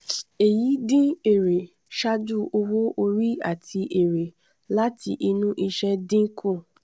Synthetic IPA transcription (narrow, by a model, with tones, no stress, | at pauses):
e˨ji˨˦dĩ˦e˦˨ɾe˨ | ʃa˦d͡ʒu˦o˧wo˦ʔo˧ɾi˦a̰˦˨tʰi˧ʔe˨ɾe˨ | la˦tʰi˧ʔi˧nũ˦ʔi˧ʃɛ˦dĩ˦kʰũ˦˨